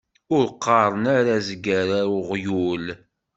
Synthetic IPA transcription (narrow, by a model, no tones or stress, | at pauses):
ʊɾqːɑɾˤənaɾazəɡːæɾaʊʁjul